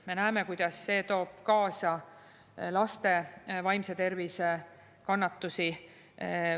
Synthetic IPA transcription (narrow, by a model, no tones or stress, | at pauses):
me̞næemekujd̪̥ɑsːe̞ːt̪o̞ːb̥̚kɑːsɑ | lɑst̪e̞vɑjmse̞t̪e̞rvise | kɑnːɑt̪ːusi